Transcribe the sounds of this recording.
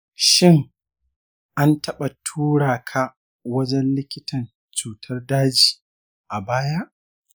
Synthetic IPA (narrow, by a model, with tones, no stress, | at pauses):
ʃɪ˦ŋ | ʔa˦ntʰɐ˦ɓa˨tʰuː˦ɽaː˨kʰa˦ | wɐ˦d͡ʒɛ˦nlɪ˦kʲɪ˦tɐ˨n | t͡ʃuː˨tʰɐ˦rdaː˦d͡ʒiː˨ | ʔa˨baː˦ja˦ʔ